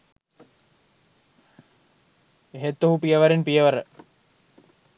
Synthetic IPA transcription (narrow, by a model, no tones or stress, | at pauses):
eɦet̪ːoɦupijəʋɐɾinpijəʋəɾə